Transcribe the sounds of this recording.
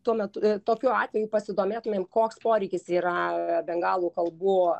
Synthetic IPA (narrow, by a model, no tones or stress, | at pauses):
t̪uɔmʲɛt̪ʊt̪oːkʲuɑːt̪ʲʋʲɛjuːpɐsʲɪd̪oːmʲeːt̪ʊmʲeːmkoːkspoːɾʲɛɪkʲɪsiːɾɐbʲɛŋɡɑːlˠuːkɐlˠbʊ